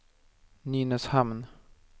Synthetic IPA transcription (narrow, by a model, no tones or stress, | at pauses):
niːnəshamn